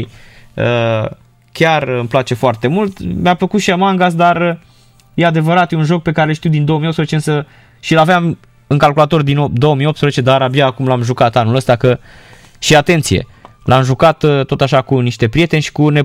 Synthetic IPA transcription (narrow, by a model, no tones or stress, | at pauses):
ə | kʲarɨmplat͡ʃe̞foart̪e̞mult̪mʲapləkut̪ʃiamaŋɡas̬d̪arə | je̞ad̪e̞vəɾat̪jeunʒo̞k̚pe̞kaɾelʃt̪iuwd̪ind̪oomiot̪spəzet͡ʃeɨnsə | ʃilaveam | ɨŋkalkulat̪o̞rd̪inod̪o̞əmijopt̪spɾəzet͡ʃed̪aɾabjaːkumlamʒukat̪anuləst̪akə | ʃiat̪e̞nt̪sijḛlʔamʒukat̪t̪ːo̞t̪aʃakuniʃt̪e̞pɾije̞t̪e̞nʲʃi̥kune̞